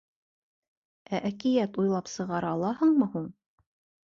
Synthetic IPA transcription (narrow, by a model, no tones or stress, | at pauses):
æʔækɘ̆jæt̪ujlˠɑpsɤ̆ʁɑɾɑlˠɑhɤɴmɤhuɴ